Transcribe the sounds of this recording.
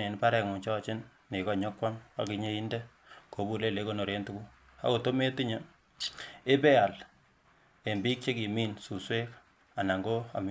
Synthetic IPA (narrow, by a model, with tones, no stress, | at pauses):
ne˨npa˦ɾɛ˨ŋu˨t͡ʃɔː˦t͡ʃɪ˦nː | e˨kɔ˨ɲɔ˦kwa˦ma̰˨ki˦ɲe˦i˦ndɛ˦ | ko˨˦bu˦le˦˨le˦ko˦no˨ɾe˦ntu˦ku˦ | a̰˦ko˨to˦me˦ti˦ɲe˦ | e˦pe˦a˨l | e˨mbi˦k̚t͡ʃe˦ki˨mi˦nsu˨swe˦k | a˨na˨ŋɡo˦a̰˨m